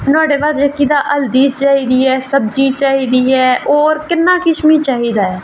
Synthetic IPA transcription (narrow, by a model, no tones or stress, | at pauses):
nɔːɖeːʋad̪jəkid̪aʔəld̪iːt͡ʃaːɦid̪iɦɛːsəb̚d͡ʒit͡ʃaːɦid̪iɦɛːʔɔːɾkɪnːaːkɪʃmit͡ʃaːɦid̪aːɦɛː